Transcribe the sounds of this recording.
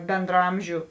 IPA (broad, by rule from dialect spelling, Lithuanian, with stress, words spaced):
bʲɛndrɐˈɐmʲʒʲʊ